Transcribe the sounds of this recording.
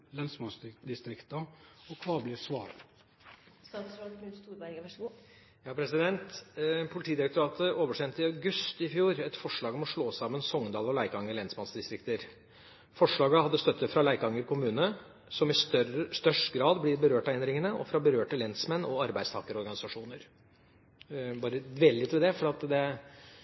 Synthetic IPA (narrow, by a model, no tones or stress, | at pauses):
lɛnsmɑnsd̪ɪst̪ɾɪkt̪əɔkʰʋɑːblɪsʋɑːɾ | sɑsɾɔʉst̪uːɾbæɾ | jɑːpʰɾɛsɪd̪ɛnt̪pʰʊlɪt̪iːd̪ɪɾɛkt̪ʊɾɑːt̪ʰəʔoːʋəʂɛnt̪ɪɑʉɡʉst̪ɪfjuːɾɛt̪fɔʂɭɑːɡɔmɔʂɭoːsɑːmənsɔŋd̪ɑːlɔlæɪkɑŋːəɭɛnsmɑnsd̪ɪst̪ɾɪkt̪əɾ | fɔʂɭɑːɡəhɑd̪ːəst̪œt̪ːəfɾɑlæɪkɑŋːəɾkʰʊmʉːnə | sɔmɪst̪st̪œʂʈɡɾɑːd̪blɪɾbəɾøːʈɑɛnd̪ɾɪŋənəʔɔ̰fɾɑbəɾøːʈəlɛnsmɛnːɔɑɾbæɪd̪st̪ʰɑ̰ːkəɾɔɾɡɑnɪsɑʂuːnəɾ | bɑːɾəd̪ʋeːləlɪt̪ːʋɛd̪ɛfɔɖɑt̪d̪ɛ